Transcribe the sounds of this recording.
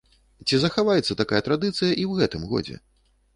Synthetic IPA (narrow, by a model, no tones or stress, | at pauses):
t͡sʲizɐxavajɛt̪sːɐt̪akajɐt̪ɾad̪ɨt̪sɨjɐʔiwɣɛt̪ɨmɣɔ̰d͡zʲɛ̰